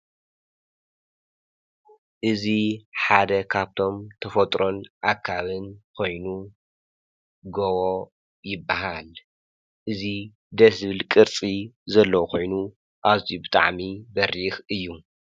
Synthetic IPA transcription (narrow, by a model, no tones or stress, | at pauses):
ʔɨziħad̪ɐkʰaβt̪ʰo̞mt̪ʰɐfɐt̪ʼɾo̞nʔakʰːaβɨnkʰo̞jnu | ɡowo | jɪbːaɦal | ʔɨzi | d̪ɐsβɨlkʼɨɾt͡sʼizɐlːɐwkʰo̞jnu | ʔaβzijubɨt̪ʼaʕmibɐɾixɨjːu